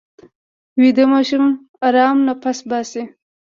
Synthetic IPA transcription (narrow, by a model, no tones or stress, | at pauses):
wid̪amɑʃum | aɾɑːmnapasbɑːsi